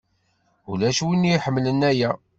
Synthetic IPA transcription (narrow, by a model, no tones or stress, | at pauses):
ulæʃwinːiħəmːlənːæjæ